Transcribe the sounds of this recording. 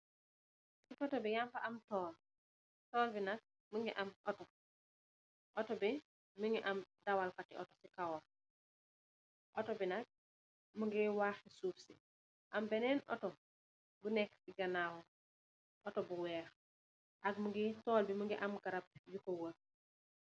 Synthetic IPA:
sikɔtɔbijampɐʔɐmtɔːl | tɔːlbinɐk̚ | muŋɡiʔɐmʔɔtɔ | ʔɔtɔbi | muɲuʔɐmdɐwalkatḭʔɔtɔsikawɔl | ʔɔtɔbinɐk̚ | muŋɡiwaxisuːfsi | ʔɐmbɛnɛːnʔɔ̰tɔ | bunɛkbiɡɐnaːwɔ | ʔɔtɔbuwɛːx | ʔɐɡ̚muŋɡitɔːlbimuŋɡiʔɐmɡɐɾɐb̚jukɔwə

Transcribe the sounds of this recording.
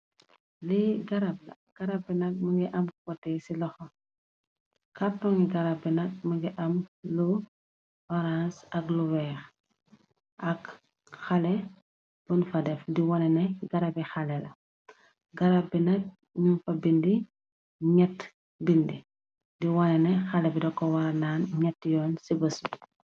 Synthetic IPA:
liɡɐɾab̚lɐ̰ | ɡ̥ɐɾabinɐk̚məɡiʔɐmkɔtːɛsilɔxɔ | katɔŋiɡɐɾabinɐk̚məɡiʔɐmlu | ɔɾãsɐkluwɛx | ʔɐk | xalɛ | b̥unfɐdɛfdiwɔnɛnɛɡɐɾɐbixɐlɛlɐ | ɡɐɾabinɐk̚ | ɲunfɐbindi | ɲɛt | bindi | diwɔnɛnɛxɐlɛbidɔkːɔwɐɾɐnaːnɲɛtːjɔːnsibɐsu

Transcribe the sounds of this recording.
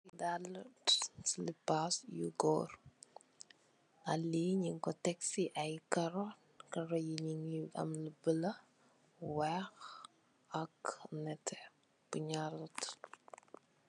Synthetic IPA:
widalətslipasjuɡɔ̰ːr | ʔɐlːiɲiŋkɔtɛksiʔɐjkɐɾɔ | kɐɾɔjiɲiŋiɐ̰mləbəlɐ | wɛx | ɐknɛtʰːɛ | b̥uɲaɾɐt

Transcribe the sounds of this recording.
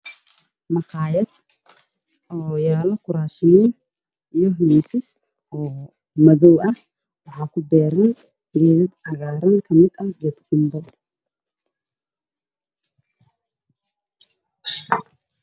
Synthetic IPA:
mɑqʰɑːjɐd̪ | ɔjaːlɐkʰʊɾaːʃɪniːn | ijɔɦʊmiːsɪs | ɔː | mɐðɔwɐh | wɑħɑːkʰʊbɛːɾɐn | ɡɛːðɐd̪ɐɣaːɾɐŋkʰɐmɪd̪ɐhɡɛːd̪ɡʊmbɐd̪

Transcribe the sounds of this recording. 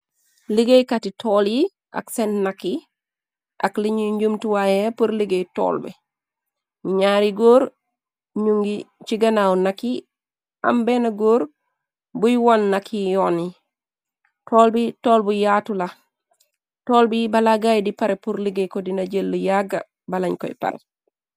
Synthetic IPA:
liɡejkatitʰolji | ʔa̰ksenːakːi | ʔa̰kliɲuɲɟumtuwajepuɾliɡejto̰ːlbɛ̰ | ɲuɲaːɾiɡoːɾ | ɲuŋɡit͡ʃiɡanawnakːi | a̰mbenaɡoːɾ | bujwanːakijɔni | toːlbitoːlbujaːtula | toːlbibalaɡajdipaɾepuɾliɡejkɔdinaɟelːujaɡa | balaɲkɔ̰ḭpa̰ɾḛ

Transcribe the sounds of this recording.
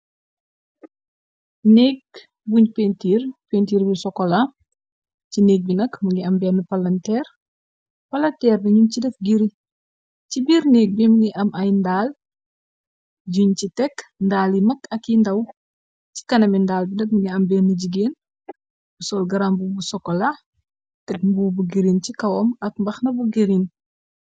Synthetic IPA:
nɛk̚ | buɲpentiːrpentiːɾbisɔkːɔlɐ | cinɛːk̚binɐkmɐŋɡiɐmbɛːnːəpɐlɐntɛːr | pɐlɐntɛːrnɐɲumcidɛfɡiɾi | cibiːrnɛːk̚bimuŋiʔɐmʔɐjndaːl | ɟuɲcitɛkndaːlimɐkɐkːindɐw | ci̥kɐnɐmindaːlbinɐk̚mɐɡiɐmbɛnːəɟiɡeːn | busɔːlɡɐɾambubusɔkːɔla | tɛk̚mbubuɡiɾincikɐwɔmɐk̚mbɐxnɐbuɡiɾin

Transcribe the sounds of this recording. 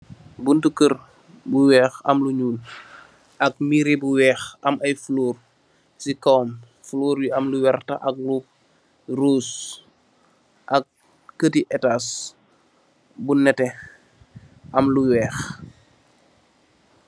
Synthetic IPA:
buntukər | buwɛːxɐmluɲuːl | ʔɐk̚miɾibuwɛːxʔɐmɐjfuluːr | sikawm | fuluːɾjiɐmluwɛrtɐ̰ʔɐk̚lu | ruːs | ʔɐk̚ː | ətiʔɛtas | bunɛtɛ | ʔɐmluwɛːx

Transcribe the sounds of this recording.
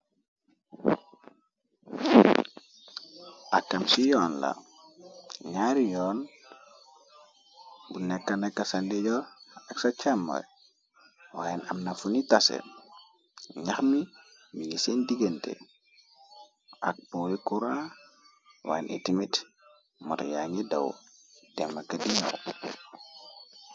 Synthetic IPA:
ʔakːamsijɔːnla̰ | ɲaɾijɔːn | bunɛkːanɛkːasandeɟɔaksat͡ʃamːɔ̰j | waːjɛnamnafunitasḛ | ɲaxmi | miŋisendiɡentḛ | ʔa̰k̚pɔwikuɾa | wa̰jnʔḭtimit | mṵtjaŋidawdɛmːakadiɲɔ̰

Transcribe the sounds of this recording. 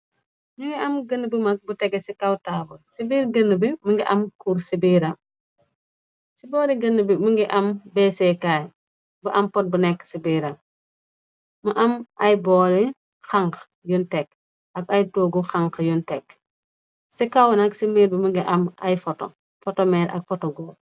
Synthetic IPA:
muŋɡiɐmɡənːəbəmɐk̚butɛɡɛsikawtaːbɐsibiːɾɡɐnːəbiməŋɡiʔɐmkuɾsibiːɾɐ | sibɔːɾiɡɐnːəbimuŋɡiʔɐmbɛsɛkaːj | buʔɐmpɔt̚bunɛkːsibiːɾɐ | mɐʔɐmʔɐjbɔːɾi | xaŋk | juntɛk | ɐɡajtoːɡuxaŋkjuntɛk | sikawnaksimiːɾbimuŋɡiʔɐma̰jfɔtɔ̰ | fɔtɔmɛːɾɐ̰k̚fɔtɔɡɔ

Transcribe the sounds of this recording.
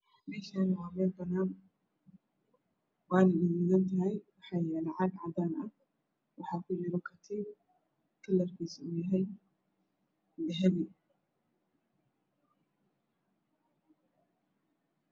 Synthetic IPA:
mɛːʃaːnwɑːmɛːlbɐnaːn | waːnɪnɪjɪɣɐnt̪ʰɐɦɛjwɑħɑːjɛːlɛʕɑɡʕɑd̪aːnɐ | wɑħɑːkʰʊjɪɾɔkʰɐt̪ʰi | kʰɐlːɐrkʰisʊjɐɦɛj | lɛɦɛði

